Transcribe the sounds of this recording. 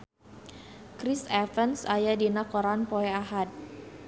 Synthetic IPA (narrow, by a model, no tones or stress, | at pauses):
kɾisafənsajadinakɔɾanpoɛaɦad̪̚